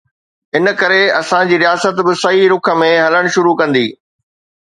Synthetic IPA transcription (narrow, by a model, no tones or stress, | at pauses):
ɪn̆kɐɾeɐsãd͡ʑiːɾijaːsət̪bɪsɐɦiɾʊkʰə̆mẽɦɐləɽ̃ʃʊɾukɐ̃nd̪ḭː